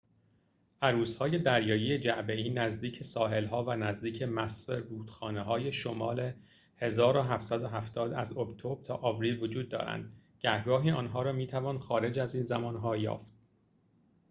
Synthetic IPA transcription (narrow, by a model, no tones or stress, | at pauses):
ʔæɾuːshɒːje̞d̪æɾjɒːjijed͡ʒæʔbeiːnæzd̪iːcʰesɒːɦe̞lɦɒːvænæzd̪iːcʰemæsveɾbuːt̪xɒːneɦɒːje̞ʃomɒːle | he̞zɒːɾoɦæft̪sæd̪oɦæft̪ʰɒːd̪æ̰zokʰt̪ʰobɾt̪ʰɒːʔɒvɾiːlvo̞d͡ʒuːd̪ːɒ̰ːɾæ̰nd̪ | ɟæhɡɒːɦiːɒːnɦɒːɾɒːmiːt̪ʰævɒːnxɒːɾe̞d͡ʒæziːnzæmɒːnɦɒːjɒ̰ːft̪̚